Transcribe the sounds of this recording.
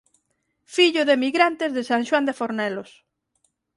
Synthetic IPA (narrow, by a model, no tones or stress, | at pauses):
fiʎʊðemiɣɾant̪ezðesaŋʃwand̪efoɾnɛlos